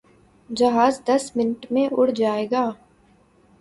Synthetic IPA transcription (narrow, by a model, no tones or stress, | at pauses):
d͡ʒɐɦaːzd̪ɐsmɪnʈmẽʔʊɽ̤d͡ʒaːeːɡaː